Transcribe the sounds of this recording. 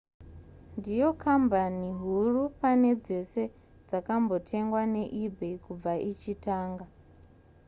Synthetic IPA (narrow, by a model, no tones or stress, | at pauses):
ndijo̞kʰambaniɦurupane̞d͡ze̞se̞ | d͡zakambo̞tʰe̞ŋɡwane̞ʔibʱekub͡vaʔit͡ʃitaːŋɡa